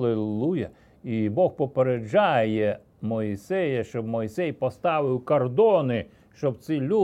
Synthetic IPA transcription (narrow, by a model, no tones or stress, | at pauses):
lˠɪlˠujɐ | ibɔxpɔpeɾed͡ʒɑjɛ | mɔisɛjɐʃt͡ʃɔbmɔjsɛjpɔst̪ɑʋɪwkɔrd̪ɔnɪ | ʃt͡ʃɔbt̪sɪlʲu